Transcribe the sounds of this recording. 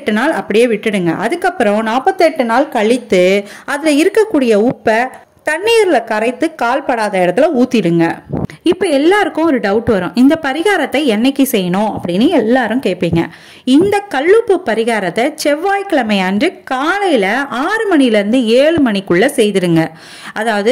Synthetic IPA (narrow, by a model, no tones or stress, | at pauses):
ʈːɯnaːlɐpːɐɽɪjeːʋɪʈːɯɽɯŋɡɐ̰ʔɐðɯkːɐpːɯɾɔ̃naːpɐt̪ːɯɛʈːɯnaːlkɐɭɪt̪ːɯɐðɪlɐɪɾɯkːɐkːuːɽɪjɐʊpːɐ | t̪ɐɳːijɐɾɪlɐkɐɾɐɪt̪ːɯkaːlpɐɽaːðɐɪɽɐt̪ːɪlɐuːt̪ːɪɽɯŋɡɐ̰ɪpːɐɛlːaːɾɯkːʊ̃ɔɾɯɖɐʊʈːʋɐɾʊ̃ʔɪnd̪ɐpɐɾɪɣaːɾɐt̪ːɐɪɛnːɐɛkːisɛjːɐnʊ̃ɐpːɐɽɪnːɯɛlːaːɾɯ̃mkeːʈ̚piːŋɡɐ̰ | ɪnd̪ɐkɐɭːɯpːɯpːɐɾɪɣaːɾɐt̪ːɐt͡ʃɛʋːaːjkɐɭɐmɐɪandrɯkaːlɐjɪlɐaːɾɯmɐɳijɪlɪɾɯnd̪ɯeːɻɯmɐɳikʊɭːɐsɛjðɪɽɯŋɡɐ | ʔɐðaːʋɐðɯ